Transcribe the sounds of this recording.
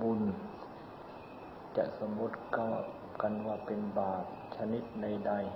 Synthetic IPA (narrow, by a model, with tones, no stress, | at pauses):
bu˧˩˨n | t͡ɕa˧sa˧mo˧˦˥t̪̚kaː˧˩ | ka˧˨nʋaː˧˩pe˨nbaː˨˩p̚t͡ɕʰa˧ni˧˦˥t̪̚da˧˩jda˧˩˨j